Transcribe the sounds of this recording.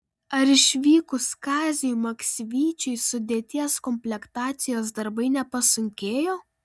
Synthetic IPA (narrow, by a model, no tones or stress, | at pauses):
ɐɾɪʃʲʋʲiːkʊskɑːzʲɪjumɐksʲʋʲiːt͡ʃʲɛɪsʊd̪ʲeːt̪ʲiɛskɔmʲpʲlʲɛkt̪ɑːt̪sʲɪjoːsd̪ɐɾbɐɪnʲɛpɐsʊŋʲkʲeːjoː